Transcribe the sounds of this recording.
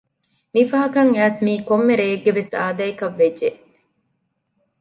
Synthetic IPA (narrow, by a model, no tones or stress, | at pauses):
mifɐɦɐkɐŋæːsmiːkomːeɾeeɡːeʋesa̰ːd̪ɐjkɐʋːedːeʔ